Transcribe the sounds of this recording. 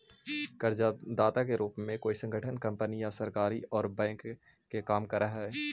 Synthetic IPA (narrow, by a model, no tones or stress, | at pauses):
kəɾd͡ʒad̪aːt̪akeɾuːpmẽkoːisə̃ŋɡəʈʰənkɐ̃mpənijãsəɾkaːɾiɔːɾbɛ̃ːŋkː | ekaːmkɐɾaɦɛː